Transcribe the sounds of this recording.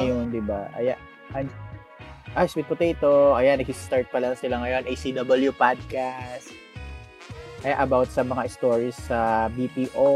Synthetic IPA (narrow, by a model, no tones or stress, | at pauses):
ɐjond̪ɪbaʔɐ̰ja | ʔɐn | ʔaswit̪pʊt̪et̪oʔɐjanːɐɡ̚ist̪aɹt̪̚pɐlɐŋsɪlaŋɐjo̞nʔejsid̪ɐbɐljupad̪̚kast̪̚ | ʔɐjaʔɐbawt̪̚sɐmɐŋaʔɪst̪oɹisːɐbipiːʔo